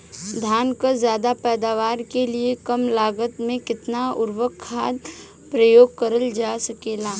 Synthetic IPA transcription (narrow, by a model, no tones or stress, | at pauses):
d̪ʱjaːnkazjaːd̪apɛːd̪aːʋaːɾkeliekəmlaːɡət̪mẽkɪt̪naʊɾwəkʰːaːd̪̚ | pɾəjoːɡ̚kəɾəld͡ʒaːsəkeːlaː